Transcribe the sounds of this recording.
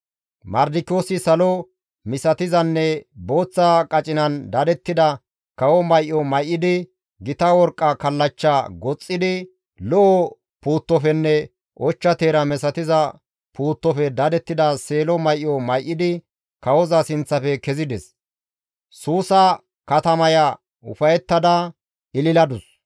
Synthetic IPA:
mɐɾd̪ɪko̞ːsɪsɐlɔ | mɪsɐt̪ɪzɐnːɛbo̞ːt͡sːɐkʼɐt͡ʃʼɪnɐnd̪ɐd̪ɛt̪ːɪd̪ɐ | kɐwɔmɐjʔːɔmɐjʔːɪd̪ɪ | ɡɪt̪ɐwɔɾkʼːɐkɐlːɐt͡ʃːɐɡɔt͡sʼːɪd̪ɪ | lɔʔɔ | puːt̪ːɔfɛnːɛ | ʔɔt͡ʃːɐt̪e̞ːɾɐmɛsɐt̪ɪzɐ | puːt̪ːɔfɛd̪ɐd̪ɛt̪ːɪd̪ɐseːlɔmɐjʔːɔmɐjʔːɪd̪ɪ | kɐwɔzɐsɪnt͡sːɐfɛkɛzɪd̪ɛs | suːsɐ | kɐt̪ɐmɐjɐ | ʊfɐjɛt̪ːɐd̪ɐ | ʔɪlɪlɐd̪ʊs

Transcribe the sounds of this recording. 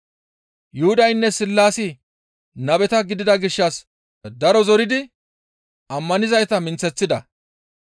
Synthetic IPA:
jʊhʊd̪ɐjnːɛsɪlːaːsɪ | nɐbɛt̪ɐɡɪd̪ɪd̪ɐɡɪʃːɐs | d̪ɐɾɔzɔɾɪd̪ɪ | ʔɐmːɐnɪzɐjt̪ɐmɪnt͡sːɛt͡sːɪd̪ɐ

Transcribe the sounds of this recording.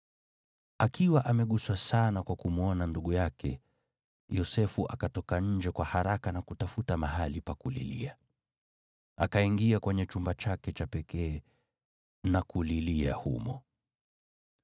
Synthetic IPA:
akiwaʔamɛɠuswasanakwakumuɔnanduɠujakʰɛ̰ | jɔsɛfuʔakatɔkaɲ̩d͡ʒɛkwahaɾakanakutafutamaɦalipakulḭlḭa | akaiŋɡiakwɛɲɛt͡ʃumbat͡ʃakɛt͡ʃapɛkɛː | nakulilia̰hṵmɔ

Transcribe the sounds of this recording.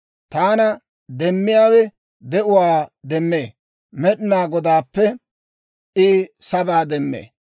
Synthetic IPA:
t̪aːnɐ | d̪ɛmːɪjaːwɛ | d̪ɛʔʊwaːd̪ɛmːeː | mɛɗɪnaːɡɔd̪aːpːɛ | ʔɪsɐbaːd̪ɛmːḛː

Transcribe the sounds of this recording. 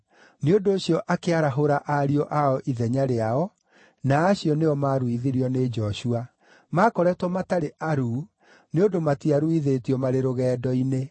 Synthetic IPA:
neondoːɕiɔʔakeaɾaɦoɾaʔaɾiɔʔaɔʔiðɛɲaɾeaɔ | naːɕiɔneɔmaɾwiðiɾiɔned͡ʒɔɕua | maːkɔɾɛtwɔmataɾeʔaɾu | neondomatiaɾuiðetiɔmaɾeɾoɣɛːdɔine

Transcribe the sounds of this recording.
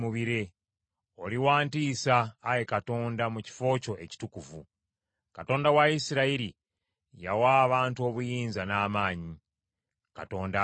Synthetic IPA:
muβiɾe | o̞liwaːntiːsaːjekato̞ːndamuci̥fo̞ːco̞ʔe̞ci̥tukuvṵ | kato̞ːndawaisiɾaiɾi | ja̰waːβaːntuo̞βujiːnzanaːmaːɲi | ka̰to̞ːnda

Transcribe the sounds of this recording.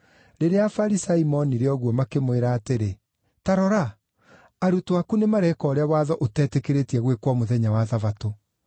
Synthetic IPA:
ɾeɾeafaɾisaimɔniɾeɔɣwɔmakemweɾaːteɾe | taɾɔɾaː | ɾutoakunemaɾɛkɔːɾeawaːðɔʔotɛtekeɾetiɛɣwekwɔmoðɛɲawaðavato

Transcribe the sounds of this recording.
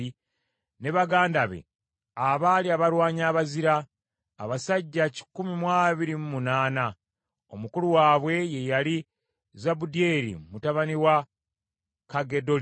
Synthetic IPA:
i | ne̞βaɡaːndaβḛ | aβaːliaβaɾwaːɲaːβaziɾaː | βasaɟːaci̥kumimwaβiɾimumunaːna | o̞̰mukuluwaːβwe̞je̞jali | zabudie̞ɾḭmutaβaniwa | kaɡe̞do̞l

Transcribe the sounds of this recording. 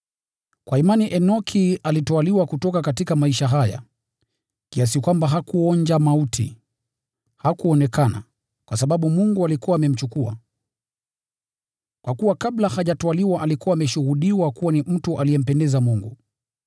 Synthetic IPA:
kwʔaimaniʔɛnɔkʰialitɔaliwakutɔkakatikamaiʃaɦaja̰ | kias̬ikwambaɦakuɔɲd͡ʒamautʰḭ | hakuɔnɛkana̰ | kwʔasaɓaɓumuŋɡualikuwaːmɛm̩t͡ʃukua̰ | kwʔakuwakaɓlahaʄatɔaliwaʔalikuwaːmɛʃuɣuɗiwakuwanim̩tuʔalijɛm̩pɛndɛzamuŋɡu

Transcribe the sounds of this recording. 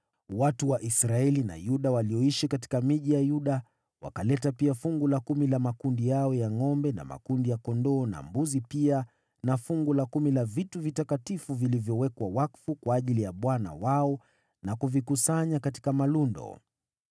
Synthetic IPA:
watuwaʔisɾaɛlina̰juɗawaliɔiʃikati̥kamiʄijajuɗa | wa̰kalɛtapiafuŋɡulakumilamakundijaɔjaŋɔmbɛna̰ma̰kundijakɔndɔːna̰mbuzipia | nafuŋɡulakumilavituvitakatifuvilivjɔwɛkwawakfukwaːʄilijaɓwana̰waɔ | nakuvikusaɲakati̥kamalundɔ̰

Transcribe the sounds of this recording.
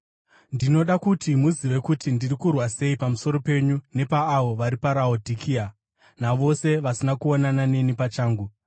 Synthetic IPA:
ndino̞ɗakutʰimuziʋe̞kutʰindirikurwase̞ipamuso̞ɾo̞pe̞ɲune̞paːʋo̞ʋaɾipaɾaodʱikʰia | naʋo̞se̞ʋasinakuonanane̞nipat͡ʃaːŋɡu

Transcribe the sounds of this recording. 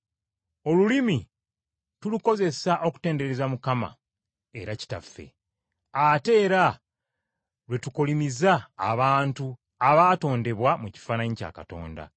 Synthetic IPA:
o̞lulimi | tuluko̞ze̞saʔo̞ku̥te̞ːnde̞ɾe̞zamukama̰ | e̞̰ɾaci̥ta̰fːe̞̰ | ate̞ːɾa | lwe̞tukolimizaːβaːntu | aβaːto̞ːnde̞βwamuci̥fanaɲica̰ːkato̞̰ːnda̰

